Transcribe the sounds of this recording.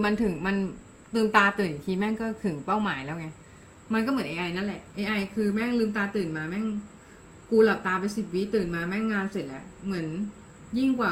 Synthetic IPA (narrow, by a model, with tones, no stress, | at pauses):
ma˧nt̪ʰɯ˩˦ŋma˧n | t̪ɯː˨˧˩mt̪aː˧t̪ɯː˨˩n˨˩k̪ʰiː˧mɛ˥˩ŋkɔː˥˩t̪ʰɯ˩˦ŋpa˥˩wmaː˩˦jlɛː˦˥wŋa˧ | ma˧nkɔː˥˩mɯ˩˦nʔeː˧ʔa˧jna˦˥nlɛ˨˩ʔʔeː˧ʔa˧jkʰɯː˧mɛː˥˩ŋlɯː˧mt̪aː˧t̪ɯː˨˩nmaː˧mɛ˥˩ŋ | kuː˧la˨˩p̚t̪aː˧pa˧jsi˨˩t̪̚wi˦˥t̪ɯː˨˩nmaː˧mɛː˥˩ŋːaː˧nse˨˩t̪̚lɛ˦˥ʔmɯ˩˦ən | ji˥˩ŋkwaː˨˩